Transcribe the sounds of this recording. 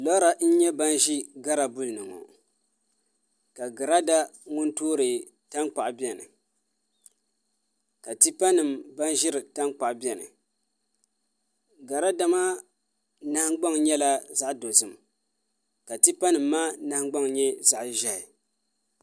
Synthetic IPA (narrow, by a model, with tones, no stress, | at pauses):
lɔ˦ɾa˨n̩˦ɲɛ˦ba˦nʒi˦ɡa˦ɾa˨bʊ˦lɨ˨nɨ˨ŋo̰˨ | ka˨ɡa˨ɾa˦da˦ŋʊ˦ntoː˦ɾɨ˨ | ta˦ŋk͡pa˨ʔbi˦ɛ˨nɨ̰˨ | ka˨ti˦pa˦nɨ˨mba˦nʒɪ˦ɾɨ˨ta˦ŋk͡pa˨ʔbɛ˨nɨ̰˨ | ɡa˨ɾa˦da˦maː˦ | na˦hɡ͡ba˦ŋɲɛ˦la˦za˦ʔdo˨zɨ˨m | ka˨ti˦pa˦nɨ˨mːaː˦na˨˦hɡ͡ba˦ŋɲɛ˦za˨ʔʒa˨hɪ˨